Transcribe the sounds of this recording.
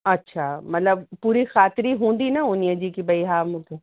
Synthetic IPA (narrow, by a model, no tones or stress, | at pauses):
ɐtːʃʰamɐt̪ləb̚puːɾixaːt̪ɪɾiɦũːn̆d̪inaʊnijəd͡ʑikibʱɐiɦaːmũːkʰeː